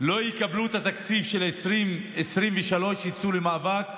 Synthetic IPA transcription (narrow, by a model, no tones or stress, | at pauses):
lo̞jikabluet̪at̪akt͡sifʃelimesʁimveʃalo̞ʃjit͡sulemaːvak